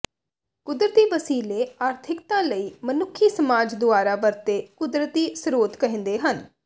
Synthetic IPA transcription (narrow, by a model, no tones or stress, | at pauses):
kʊd̪ɾət̪iːʋəsiːleːaːɾt̪ʰɪkt̪ãːləiːmənʊkʰːiːsəmaːd͡ʒd̪ʊaːɾaːʋəɾt̪eːkʊd̪ɾət̪iːsɾoːt̪kəɦɪ̃nd̪eːɦən